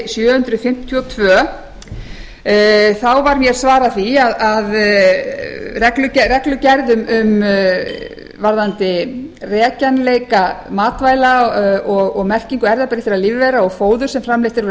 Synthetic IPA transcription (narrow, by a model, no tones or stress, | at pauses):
sjœːhʏnt̪ɾʏfɪm̥t̪ʰjɔt̪ʰvœː | θawvaɾmjɛɾsvaːɾaθiaðað | rɛklʏcrɛklʏcaɾðʏmʏm | vaɾðant̪ɪrɛːcanlejkamaːt̪vaːjlaɔɣɔɣmɛr̥ciŋkʏɛɾðapɛɾɪfɪɾaðliːvɪvejɾaɔɣfoːwðʏɾ̥sɛmfɾamlejht̪ɪɾv